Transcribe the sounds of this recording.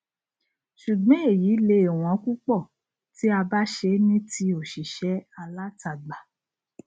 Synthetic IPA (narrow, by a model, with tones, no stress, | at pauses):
ʃu˨ɡ͡bɔ̃˨˦e˦˨jiː˨˦le˧˦e˨w̃ɔ̃˨˦ku˦k͡pɔ˦˨ | ti˦a˧ba˦ʃe˧nĩ˦ti˧o˨ʃi˨ʃɛ˨˦a˧la˦ta˨ɡ͡ba˨